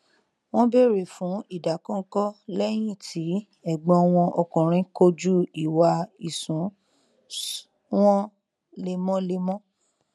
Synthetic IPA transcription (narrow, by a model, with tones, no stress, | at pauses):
w̃ɔ̃˦be˦˨ɾe˨fũ˨˦i˦˨da˨kɔ̃˦kɔ˦lɛ˦j̃ĩ˦˨tʰi˨˦ | ɛ˦˨ɡ͡bɔ̃˧ɔ˧w̃ɔ̃˧ʔɔ˧kũ˨ɾ̃ĩ˨˦ko˧d͡ʒu˦i˨wa˧i˨sũ˨˦ | w̃ɔ̃˦ | le˧mɔ̃˦le˧mɔ̃˦